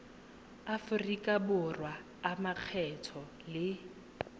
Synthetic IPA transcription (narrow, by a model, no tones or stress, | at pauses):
afʊrikʼabʊrwaː | maq͡χʰɛtʰɔ | lɪ